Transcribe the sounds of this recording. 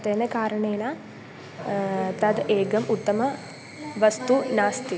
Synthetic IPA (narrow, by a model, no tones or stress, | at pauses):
t̪eːnɐkaːɾɐɳeːna | t̪ɐd̪ʔeːɡɐmut̪ːɐmɐ | ʋɐst̪unaːst̪i